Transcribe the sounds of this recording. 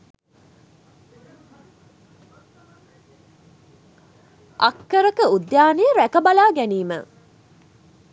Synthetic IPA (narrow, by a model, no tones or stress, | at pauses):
ʔɐkːəɾəkəud̪jaːnejəɾækəbalaːɡæniːmə̰